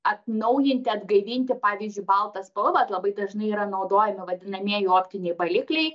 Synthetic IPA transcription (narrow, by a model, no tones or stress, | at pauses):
ɐt̪nɐʊjɪnʲt̪ʲɪɐd̪ɡɐɪʋʲiːnʲt̪ʲɪpɑːʋʲiːzʲd͡ʒʲʊɪbɐlˠt̪ɐspɐlˠʋɐt̪lˠɐbɐɪd̪ɐʒnɐɪiːɾɐnɐʊd̪oːjɛmʲɪʋɐd̪ʲɪnɐmʲiɛjoːpʲt̪ʲɪnʲɛɪbɐlʲɪklʲɛɪ